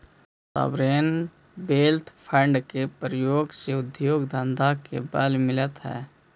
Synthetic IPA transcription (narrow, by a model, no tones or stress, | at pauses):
sa̰ːbɾeːn | beːlt̪ʰpʰə̃ɳɖkepɾjoːɡseʊd̪joːɡd̪ə̃nd̪ʱakḛbɛːlmɪlət̪ɦɛ̰ː